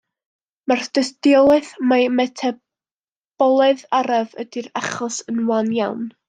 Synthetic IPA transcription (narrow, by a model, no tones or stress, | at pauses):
mard̥əsdɪɔlˠɛθmamɛtʰɛ | b̥ɔlˠɔðaɾavə̰diɾaχɔsənwanjawn